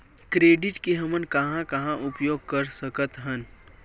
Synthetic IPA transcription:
kɾeːɖɪʈkeɦɐmənkɐɦãkɐɦãʔʊpjoːɡ̚kɐɾsəkət̪ɦən

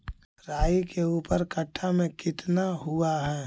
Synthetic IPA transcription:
ɾaːikeuːpəɾkəʈʰːamẽkɪt̪naɦuaɦɛː

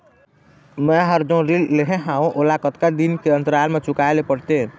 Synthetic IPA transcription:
mɛɦəɾd͡ʒõɾilleɦẽɦãũʔolakət̪kad̪inkeənt̪əɾalmet͡ʃukalepəɽt̪e

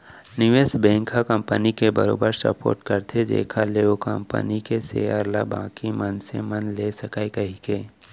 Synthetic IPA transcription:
nɪʋeːsbɛ̃ːŋkʰakə̃mpənikebə̰ɾo̰ːbəɾsə̰po̰ːɾʈkəɾt̪ʰed͡ʒḛːkʰaleːokə̰̃mpə̰nikesḛːaːɾla̰bã̰ːkimənsemənlesəkaekɐɦikeː

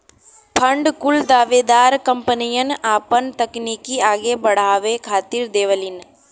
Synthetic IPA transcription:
pʰə̃ɳɖkʊld̪aːʋed̪aːɾkəmpənijənaːpənt̪əknikiaːɡebɐɽ̤aːʋekʰaːt̪iɾd̪eːʋəlɪn

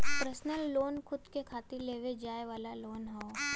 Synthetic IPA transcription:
pɾəsnəlːoːnkʰʊd̪kekʰaːt̪ileːʋed͡ʒaːeʋaːlaloːnɦoː

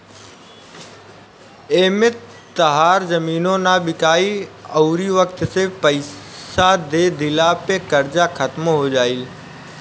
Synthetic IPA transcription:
eːmɪt̪ː | ɐɦaːɾzɐmiːnõnaːɓɪkaːiɐʊɾiʋək̚t̪sepəɪsad̪eːd̪ʱɪlapekɐɾd͡ʒakʰɐt̪moɦod͡ʒaːiːl

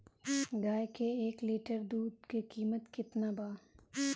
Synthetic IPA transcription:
ɡaːjkeeːkliːʈəɾd̪uːd̪kekiːmət̪kɪt̪nabaː

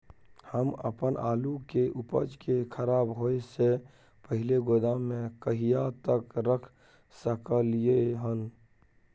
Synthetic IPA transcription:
həmə̰pənʔaːlukeʔupə̰d͡ʒkekʰəɾaːbɦoese | pəɦɪleɡod̪amːẽkəɦijat̪əkɾəkʰ | səkəlijeɦən

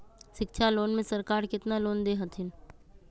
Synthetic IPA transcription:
ʃɪkʃʰaloːnmẽsəɾkaːɾkɪt̪naloːnd̪eɦɐt̪ʰɪn

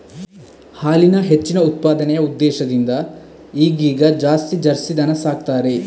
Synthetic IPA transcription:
haːlinɐɦet͡ʃːinɐut̪̚paːd̪ɐnɛjɐud̪ːɛːʃɐd̪ind̪ɐ | iːɡiːɡɐd͡ʒaːst̪id͡ʒɐɾsid̪ɐnɐsaːɡ̚t̪aːɾe̞

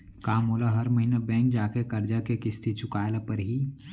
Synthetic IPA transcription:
kaːmɦoːlaɦɐɾməɦiːnabɛ̃ːkd͡ʒaːkekɐɾd͡ʒakekɪst̪ʰit͡ʃʊkaːlepəɾɦiː

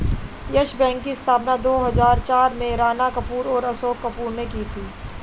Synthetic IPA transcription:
jəʃbɛ̃ːŋkːiɪst̪ʰaːpnad̪oːɦɐzaːɾt͡ʃaːɾmẽɾaːnakɐpuːɾɔːɾɐsoːkːɐpuːɾnekiːt̪ʰiː

